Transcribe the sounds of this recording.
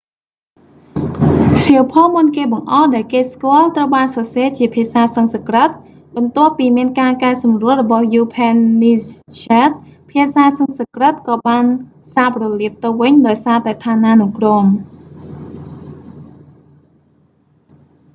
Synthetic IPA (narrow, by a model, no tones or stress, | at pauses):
siəwpʰɑːmunkeːɓɑŋʔɑːhɗaɛlkeːskŏəlt̪rəwɓaːnsɑːseːt͡ɕiəpʰiəsaːsəŋsəkrət̪̚ | ɓɑnt̪ŏəpːiːmiənkaːkaɛsɑmruəlrɔɓɑhjuːpʰɛnːiːt͡ɕat̪̚pʰiəsaːsəŋsəkrət̪̚kɑːɓaːn | saːprɔliəp̚t̪ɨwʋɨɲɗaɔjsaːt̪aɛt̪ʰaːnaːnukroːm